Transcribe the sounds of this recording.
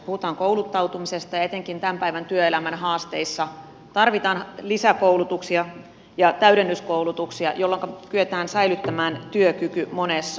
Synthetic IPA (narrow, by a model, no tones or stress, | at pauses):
puhut̪ɑːŋkoulut̪ːɑwt̪umisest̪ɑjɑet̪eŋkint̪æmpæiʋænt̪yøelæmænhɑːst̪eisːɑ | t̪ɑrʋit̪ɑːnlisækoulut̪uksiɑ | jɑt̪æyɾenːyskoulut̪uksiɑ̰jolːoŋkɑpyøt̪æːnsæilyt̪ːæmæːnt̪yøkykymonesːɑ